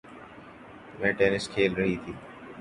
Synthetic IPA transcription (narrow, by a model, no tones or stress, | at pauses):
mɛ̃ːʈeːnɪskʰeːlɾəɦiːt̪ʰiː